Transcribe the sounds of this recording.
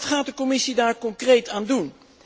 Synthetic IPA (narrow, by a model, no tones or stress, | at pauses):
tχaːt̚dəkɔmɪsidaːɹkɔŋkrejtaːndun